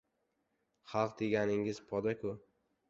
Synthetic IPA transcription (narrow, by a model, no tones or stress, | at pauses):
χɑlˠqd̪eɡʲanɪŋɪz̥pʰɒd̪akʰʊ